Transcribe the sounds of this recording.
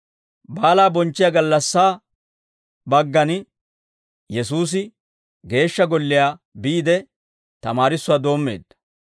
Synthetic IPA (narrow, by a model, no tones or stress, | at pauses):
baːlaːbɔnt͡ʃːɪjaːɡɐlːɐsːaː | bɐɡːɐn | jɛsuːs̬ɪ | ɡe̞ːʃːɐɡɔlːɪjaː | biːd̪ɛ | t̪ɐmaːɾɪsːʊwaːd̪o̞ːmːe̞̰ːd̪ːɐ̥